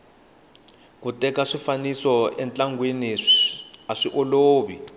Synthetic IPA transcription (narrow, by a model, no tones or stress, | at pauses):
kutɛkaʂifanisɔʔɛnt͡ɬaŋɡweni | aʂiʔoloːβḭ